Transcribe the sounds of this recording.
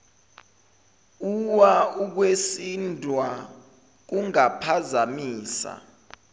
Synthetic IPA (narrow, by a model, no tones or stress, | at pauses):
uwauk̬wesindʱwa | k̬uŋapʰazamiːsa̰